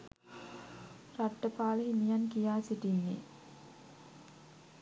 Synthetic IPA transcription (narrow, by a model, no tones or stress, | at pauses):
raʈːəpaːləɦimijankijaːsiʈinːḛ